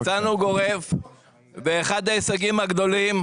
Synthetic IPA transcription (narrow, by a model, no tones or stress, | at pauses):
t͡sanuɡo̞ʁe̞v | veːχad̪aesaɡimaɡd̪o̞lim